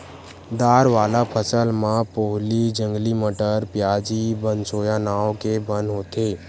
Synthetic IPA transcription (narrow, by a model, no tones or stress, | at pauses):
d̪aːɾʋaːlapʰəsəlmãpoɦlid͡ʒə̃ŋɡliməʈəɾpjad͡ʒibənsoːjãnaokebənɦoːt̪e